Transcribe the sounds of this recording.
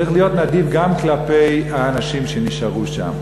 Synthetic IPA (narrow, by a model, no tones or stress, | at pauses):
iχlijo̞t̪nad̪ivɡamklape̞jhaːnaʃimʃeniʃaʁuʃa̰m